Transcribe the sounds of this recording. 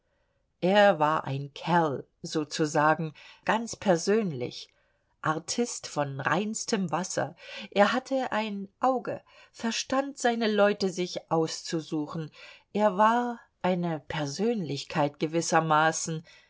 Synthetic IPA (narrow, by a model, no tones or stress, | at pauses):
ʔeːɐvaːɐʔa̰ɪnkʰɛl | zoːt͡suzaːɡŋ̩ɡ̥ant͡spʰɛɐzøːnlɪ̰ç | ʔaɐtʰɪstfɔnʁa̰ɪnstʰəmvasɐ̰ʔeːɐɦatʰəʔaɪnʔaʊɡə̰fɛɐʃtantz̥aɪnəlɔʏtəzɪçʔaʊst͡suzuːxn̩ʔeːɐvaːɐ | ʔaɪnəpʰɛɐzøːnlɪçkʰaɪtɡ̥əvɪsɐmaːsn̩